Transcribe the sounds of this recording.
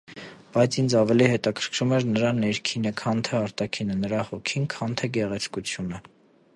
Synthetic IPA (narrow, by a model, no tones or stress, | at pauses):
b̥ɑjt͡sʰind͡zɑvɛlihɛt̪ɑkʰəɾkʰɾumɛɾnəɾɑnɛɾkʰinəkʰɑnt̪ʰɛɑɾt̪ɑkʰinənəɾɑhɔkʰinkʰɑnt̪ʰɛɡɛʁɛt͡sʰkut͡sʰjunə